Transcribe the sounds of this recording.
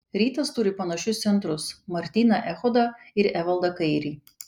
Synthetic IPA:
ɾʲiːt̪ɐst̪ʊɾʲɪpɐnɐʃʲʊst̪sʲɛnt̪ɾʊsmɐɾʲt̪ʲiːnɐʔɛxɔd̪ɐ | ɪɾæʋɐlˠd̪ɐkɐɪɾʲiː

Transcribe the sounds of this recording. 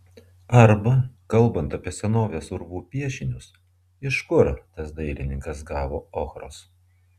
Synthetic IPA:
ɐɾbɐkɐlˠˑbɐnt̪ɐpʲiɛsʲɛnoːʋʲeːsʊɾʋuːpʲiɛʃʲɪnʲʊs | ɪʃkʊɾt̪ɐsd̪ɐɪlʲɪnʲɪŋkɐsɡɑːʋo̰ːoːxɾo̰ːs

